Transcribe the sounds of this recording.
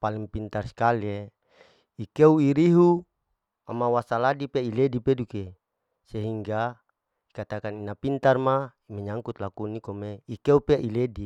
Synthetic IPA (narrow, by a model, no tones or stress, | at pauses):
paliŋpint̪arsi̥kale | ikeuiɾiɦu | a̰mawasaladipeiledipeduke | seɦiŋɡa | ikat̪akaninapint̪armaimɛɲaŋkut̪lakunikomeikeupeʔiledi